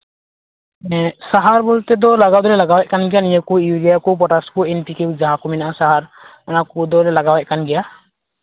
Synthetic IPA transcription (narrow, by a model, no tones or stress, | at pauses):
ɛ̃saɦaɾbɔlt̪ɛd̪ɔlaɡawd̪ɔɾɛlaɡawac̚kanɡɛjanijakujuɾijakup̬ɔʈaskuɛnpikiwd͡ʒaɦãkuminaʔasaɦaɾ | mɔnakud̪ɔɾɛlaɡawac̚kanɡɛja